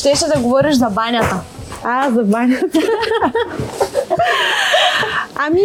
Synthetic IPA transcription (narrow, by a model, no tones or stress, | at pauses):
t̪ɛʃɛd̪ɐɡovɔɾiʃzɐbanʲat̪əazɐbanʲɐt̪ə | ami